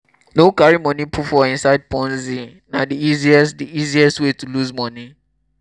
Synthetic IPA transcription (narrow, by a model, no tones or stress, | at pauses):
nokaɹimɔ̃nipʰutfɔĩnsaɪd̚pɔ̃nzi | nadiiziɛsdiiziɛstwetuluzmɔ̃ni